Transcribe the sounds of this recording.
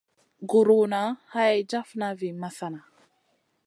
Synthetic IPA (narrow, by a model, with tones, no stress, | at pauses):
ɡu˨ɾuna˨ha˦ja˨jd͡ʒa˦fna˦vi˨ma˦θa˨na˨